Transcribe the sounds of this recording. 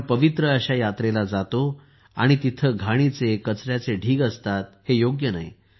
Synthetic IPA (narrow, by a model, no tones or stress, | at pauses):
pəʋit̪ɾəəɕajat̪ɾelad͡zat̪o | a̰ɽ̃it̪it̪ʰəɡʱaɽ̃it͡sekət͡sɾjat͡seɖʱiːɡəst̪at̪hejoɡjəna̰j